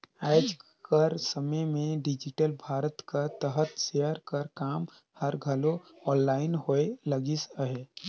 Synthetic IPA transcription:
aːɪd͡ʒ | kəɾsəməjmẽɖɪd͡ʒɪʈəlbʱaːɾət̪kat̪əɦət̪sejəɾkəɾkaːm | həɾɡʱəlo | ɔːnlaːɪnhoeləɡisəɦe

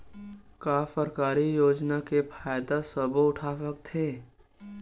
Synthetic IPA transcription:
kaːfəɾkaːɾijoːd͡ʒnakepʰaːjd̪asəboʊʈʰaːsək̚t̪ʰeː

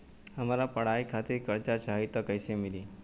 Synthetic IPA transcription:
əmaɾapəɽ̤aikʰat̪iɾkəɾt͡ʃat͡ʃʰaɦit̪okəjsemili

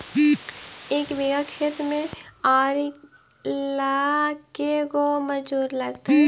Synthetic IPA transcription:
eːkbeːɡakʰeːt̪mẽaːɾ | lakekoməd͡ʒuːɾlɐɡt̪aɦɛ

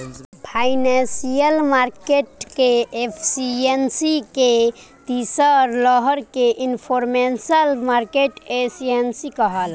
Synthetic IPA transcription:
pʰaɪnẽsijəlmaɾkeʈkeepʰsiensike | t̪isəɾləɦəɾkeʔinpʰoɾmensəlmaɾkeʈesiensikəɦəl

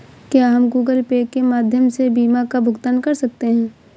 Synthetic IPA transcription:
kjaɦɐmɡuːɡəlpeːkːemaːd̪ʱjəmsebiːmakabʱʊɡt̪ənkɐɾsɐk̚t̪eɦɛ̃ː

